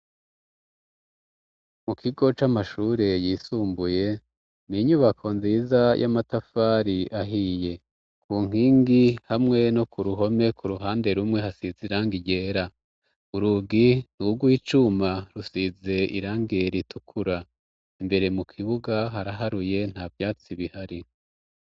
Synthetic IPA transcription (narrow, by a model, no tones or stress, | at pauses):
mukʰiɡo̞t͡ʃamaʃuɾe̞jiːsuːmbuje̞ | niɲuβakʰo̞nzizajʔa̰matafaːɾiaɦije̞ | kʰuːŋ̥iːŋɡihamŋe̞no̞kuɾuɦo̞me̞kʰuɾuɦaːnde̞ɾumŋe̞hasiziɾaːŋɡiɟe̞ːɾa | uɾuɡin̥uɡuit͡ʃumaɾusize̞ḭɾaːŋɡeɾitʰukʰuɾa | imbe̞ɾe̞mukʰiβuɡaɦaɾaɦaɾuje̞n̥haːvjaːt͡siβihaɾi